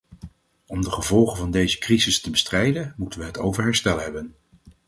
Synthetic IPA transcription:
ɔmdəχəvɔlˠχəvɑndejzəkrizɪstəbəstrɛjdənmutənʋəɦəto̰wvəɹɦɛɹstɛlˠɦɛbən

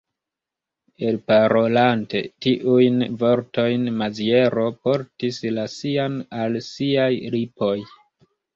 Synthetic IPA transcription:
e̞lpaɾo̞lante̞̰tiʔujnvo̞ɾto̞jnmazie̞ɾo̞po̞ɾtislasianalsiajɾipo̞j

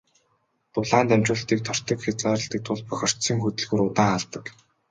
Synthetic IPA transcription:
t̪ʊɮaːnt̪æmt͡ɕʊːɬt̪iːk̚t̪ʰɔr̥t̪ə̆kxet͡saːɾə̆ɬt̪ĭːk̚t̪ʰʊɮpœxʲɞ̆r̥t̪sĭːŋxɵt̪ɵ̆ɮɣuːɾʊt̪aːŋaɮt̪ə̆k

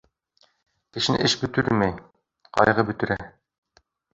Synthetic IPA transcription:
kɘ̆ʃɘnɘ̰ʔɘʃbɵ̆t̪ɵɾmæj | qɒ̰jʁɤbɵ̆t̪ɘ̆ɾæ

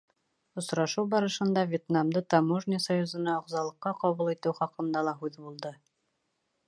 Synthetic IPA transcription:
ŏsɾɑʃɤwbɑɾɤ̆ʃɤ̆nd̪ɑvʲet̪namd̪ɤt̪ɑmoʒnʲisɑjuzɤ̆nɑŏʁzɑlˠɤ̆qːɑqɑβulˠit̪ɘwχɑqɤ̆nd̪ɑlˠɑɦʉðbulˠd̪ɤ

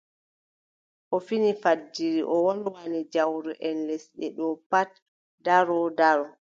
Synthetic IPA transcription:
ʔɔfinifadːiɾiʔɔwɔlwanid͡ʒawɾɛʔɛnlɛsɗɛɗɔpat | daɾɔdaɾɔ

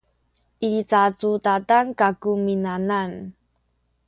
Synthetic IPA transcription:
ʔit͡sat͡sutatankakuminanan

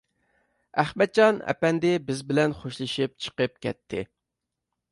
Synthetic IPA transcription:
æχmɛt̪̚t͡ʃɑnɛ̰pɛnd̪ɪbɪzbɪlɛnχoʃlˠɨʃɨp̚t͡ʃʰə̥qəp̚kʲɛ̰tp̪̚ʰːɪ

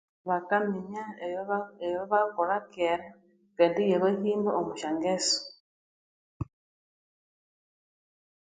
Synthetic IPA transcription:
βakamiɲaeejoβakoɾakeɾa | keːndijeβehiːmbaʔomuʃaŋɡeso̥

